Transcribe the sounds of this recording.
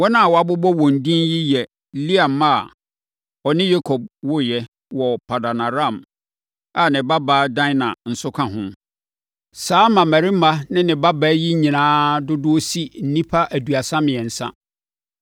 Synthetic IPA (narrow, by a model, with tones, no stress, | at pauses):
wɔ˦nã˦a˨wɔ˨a˨bʊ˦bɔ˦wɔ̃˨n̩˨dĩ˦nji˦jɛ˨ | li˦a˨mːa˦˨ | ɔ˨nɪ̃˦je˦kʰo˨b̚wʊ˦jɛ˦ | wɔ˨pʰa˨da˨na˨ɾã˦˨m | a˨nɪ̃˨ba˦baː˨˦dã˦nã˨n̩˨sʊ˦kʰã˦ɦʊ̃˦ | saː˦mã˨mæ˨ɾi˦ma˦nɪ̃˦nɪ̃˨ba˦bæː˦ji˦ɲĩ˨nãː˦dʊ˦dʊ˦o˦si˦n̩˨nĩ˦pʰa˦ʔæ˨du˨a˨sã˦mɪ̃˨ɛ˨n̩˨sã̰˦